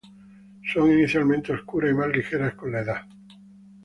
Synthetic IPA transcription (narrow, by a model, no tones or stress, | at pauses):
soŋiniθjalmẽnt̪eoskuɾaimazlixeɾasko̞nlaeða